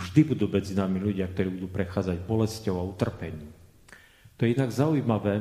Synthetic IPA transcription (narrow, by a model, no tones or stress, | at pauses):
ʒd̪ibud̪uːmɛd͡zinaːmiʎuɟɪak̚t̪ɔɾiːbud̪uːpɾɛxaːd͡zaɟbɔlɛscɔʊaut̪r̩pɛɲiː | t̪ɔjɛinaɡzaujmaʋɛː